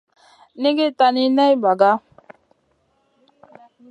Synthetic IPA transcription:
ni˦ɡe˦ta˨ni˦nɛ˦jba˨ɡa˦

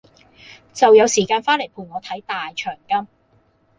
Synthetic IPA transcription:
t͡sɐ˨wjɐ˨˧wsiː˨˩kaː˧nfaː˥nle˨˩jpʰuː˨˩nŋɔː˨˧t̪ʰɐ˨˥jt̪aː˨jt͡ʃʰœː˨˩ŋkɐ˥m

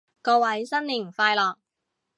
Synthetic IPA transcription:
kɔː˧wɐ˨˥jsɐ˥nliː˨˩ŋfaː˧jlɔː˨k̚

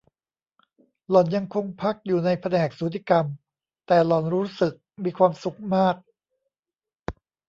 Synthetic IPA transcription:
lɔ˨˩nja˧ŋkʰo˧ŋpʰa˦˥k̚juː˨˩na˧jpʰa˧nɛː˨˩k̚suː˨˩˦t̪ʰiː˧˩ka˧m | t̪ɛː˨˩lɔ˨˩nɾuː˦˥sɯ˨˩k̚miː˧kʰwaː˧msu˨˩k̚maː˥˩k̚

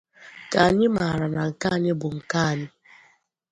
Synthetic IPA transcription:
ka˨a˨ɲɪ˦ma˨ɾa˨na˨ŋ̩˨ka˦a˨ɲɪ˦bʊ˨ŋ̩˨ka˦a˨ɲɪ˦

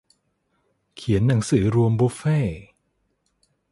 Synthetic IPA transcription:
kʰi˩˦nːa˩˦ŋsɯː˩˦ɾu˧əmbo˦˥feː˥˩

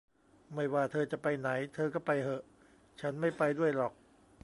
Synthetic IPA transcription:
ma˥˩jwaː˥˩t̪ʰɤː˧t͡ɕa˨˩pa˧jna˩˦jt̪ʰɤː˧kɔː˥˩pa˧jhɤ˧˩ʔ | t͡ɕʰa˦˥nma˥˩jpa˧jdu˥˩əjlɔː˨˩k̚

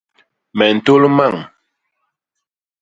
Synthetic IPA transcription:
mɛ˨n̩˨to˦lma˦˨ŋ

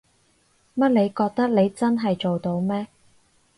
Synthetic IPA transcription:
mɐ˥t̚le˨˧jkɔː˧k̚t̪ɐ˥k̚ne˨˧jt͡sɐ˥nɦɐ˨jt͡so˨wt̪o˧wmɛː˥

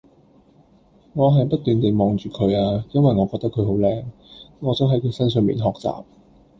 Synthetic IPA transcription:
ŋɔː˨˧ɦɐ˨jpɐ˥t̚t̪yː˨˩nt̪e˨jmɔː˨ŋt͡ʃyː˨kʰɵ˨˧ɥaː˧jɐ˥nwɐ˨jŋɔː˨˧kɔː˧k̚t̪ɐ˥kʰɵ˨˧ɥɦo˨˥wlɛː˧ŋŋɔː˨˧t̪o˥wɦɐ˨˥ji˧˥sɐ˥nsœː˨˩ŋmḭː˨nɦɔː˨k̚t͡sa̰ː˨p̚

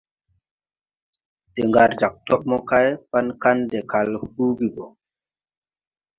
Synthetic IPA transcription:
te˨ŋɡa˨ɾd͡ʒa˨k̚tɔ˦ɓ̚mɔ˦ka˦jpa˦nka˦ndɛ˨ka˨lhu˦ɡi˨ɡo˨

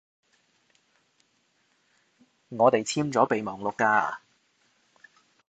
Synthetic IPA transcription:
ŋɔː˨˧t̪e˨jt͡sʰiː˥mt͡sɔː˨˥pe˨jmɔː˨˩ŋlʊ˨kːa̰ː˧˨

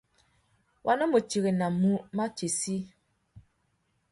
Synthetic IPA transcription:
wʔa˨nɔ˦mo˨t͡ʃi˨ɣe˨na˨mu˦ma˦t͡ʃe˨si˦

